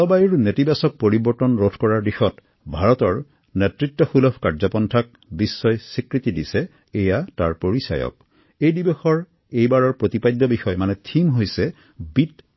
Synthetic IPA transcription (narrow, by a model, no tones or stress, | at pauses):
ɔbajuɹnetibasɔk̚poɹibɔɹtɔnɹodʰʱkɔɹaɹdixɔt | bʱaɹɔtɔɹ | nɛtɹitːɔxulɔbʰʱkaɹzɔpɔntʰak̚bisːɔjsikɹitidisɛ | ejataɹpoɹisa̰jɔ̰k̚ | ejdibexɔɹ | ejbaɹɔɹpɹotipajd̪ːɔbixɔjmanɛtʰimɦojsɛ | bit